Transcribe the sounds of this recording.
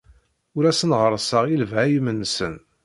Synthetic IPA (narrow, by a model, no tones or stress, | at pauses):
ʊɾæsənʁəɾˤəsəʁjiləvʕæjmənːsən